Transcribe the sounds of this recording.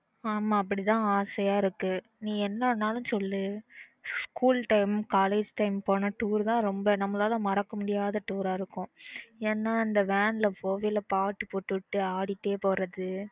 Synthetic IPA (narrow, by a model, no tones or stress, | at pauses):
aːmaːɐp̬ːɐɽɪt̪ãːaːsɐjaːɪɾɯkːɯ | nĩːɛnːɐnːaːlɯ̃sɔlːɯ | skuːlʈɐɪmkaːleːd͡ʒʈɐɪmpoːnɐʈuːɾt̪ãːɾɔmbɐnɐmːɐlaːlɐ̃mɐɾɐkːɐmʊɽɪjaːðɐʈuːɾaːɪɾɯkːʊ̃eːnːaːɪnd̪ɐʋeːɳlɐpoːʋɪlɐpaːʈːɯpoːʈːɯʈːɯaːɽɪt̪ːeːpoːɾɐðɯ